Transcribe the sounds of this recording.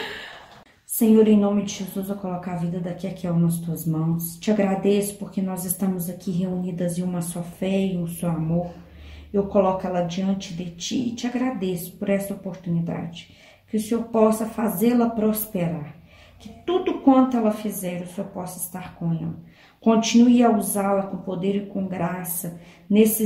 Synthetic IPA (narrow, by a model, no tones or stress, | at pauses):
sẽɲoɾẽj̃nõmɪd͡ʒɪʒezuzewkolɔkaavid̪ɐd̪ɐkiakiɛwnɐs̬t̪uɐzmɐ̃w̃st͡ʃɪaɡɾad̪esʊ̥poɾkenɔzɪst̪ɐ̃mʊzɐkʰiɦeunid̪ɐzẽũmɐsuɐfɛiũsewamoɾewkolɔkɛlɐd͡ʒiɐ̃nt͡ʃɪd̪ɪt͡ʃiɪt͡ʃɪaɡɾad̪esʊ̥poɾɛsɐopoɾt̪unid̪a̰d͡ʒɪ | kɪʊseoɾpɔsɐfazelɐpɾospeɾaɾ | kɪt̪ud̪ʊkwɐ̃nt̪ʊɛlɐfizɛɾʊseoɾpɔsɐɪ̥st̪aɾkõɛ̰lɐ | kõt͡ʃinuiɐuzalɐkõpod̪eɾɪkõɡɾasɐ | nesɪ